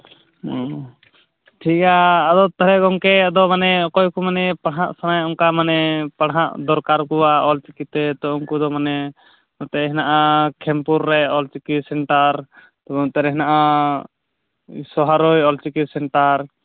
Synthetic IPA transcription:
ɔ | ʈʰikaːd̪ɔt̪aɾɛɡɔŋkɛad̪ɔmanɛɔkɔjkumanɛpaɽɦaʔsanajɔŋkamanɛpaɽɦaʔd̪ɔɾkaɾkuwaɔlt͡ʃikit̪ɛt̪ɔɔŋkud̪ɔmanɛ | ɔt̪ɛɦɛnaʔakʰɛmpuɾːɛɔlt͡ʃikisɛɳʈaɾ | t̪ɔbɔt̪ɛɾɛɦɛnaʔa | sɔɦaɾɔjɔlt͡ʃikisɛɳʈaɾ

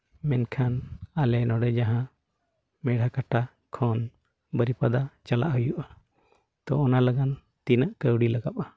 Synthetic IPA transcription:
mɛnkʰanalɛnɔɖɛd͡ʒaɦã | mɛɽ̤ʱakaʈa | kʰɔn | bəɾipad̪at͡ʃala̰ʔɦujuʔa | t̪ɔɔnalaɡan | t̪inəʔkəwɽilaɡa̰pa

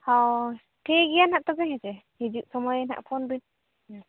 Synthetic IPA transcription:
hɔ | ʈʰiɡijanhaʔt̪ɔɡɛɦɛt͡ʃɛ | hid͡ʒuʔsɔmɔjna̰ʔpʰɔnbin

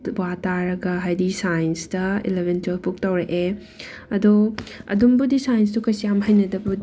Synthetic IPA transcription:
wataɾɐɡɐɦajdisajnstɐḭlebʱentʰupuk̚tɐwɾɐʔe | ɐdoɐ̰dumbudisajns̬tukɐjsijamɦajnɐdɐbu

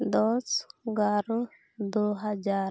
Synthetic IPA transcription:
d̪ɔsɡaɾo | d̪oɦad͡ʒaːɾ

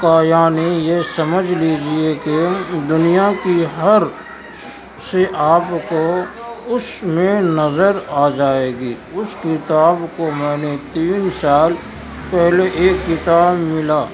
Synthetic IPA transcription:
kaːjaːnejesɐməd͡ʒʱliːd͡ʒieked̪ʊnijakiɦɐɾ | seʔaːpko | ʊsmẽnɐzəɾaːd͡ʒaːeːɡiː | ʊskɪt̪aːbkomɛ̃ːnet̪iːnsaːl | pɛɦleʔeːkːɪt̪aːbmɪlaː

